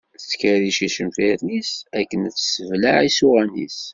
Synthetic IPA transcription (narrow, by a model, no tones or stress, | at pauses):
t͡sːkæɾiʃiʃəmfiɾnisækːənt͡sːsəvlaʕisuʁænḭs